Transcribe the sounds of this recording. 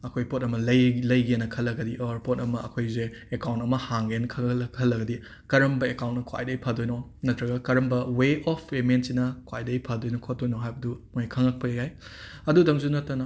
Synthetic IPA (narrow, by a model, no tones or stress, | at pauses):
ɐkʰojpot̚ɐmɐlɐjlɐjɡenːɐkʰɐlːɐɡɐdiʔoɾpotɐmɐɐkʰojzeekawntɐmɐhaŋɡenkʰɐkʰɐlːɐɡɐdi | kɐɾɐmbɐekawntnɐkʰwa̰jdɐjpʰadojnonɐtɾɐɡɐkɐɾɐmbɐweɔpʰːementsinɐkwa̰jdɐjpʰadojnɐkʰot̚dojnoɦajbɐdumojkʰɐŋɐk̚pɐjajajɐdudɐŋzunɐtːɐnɐ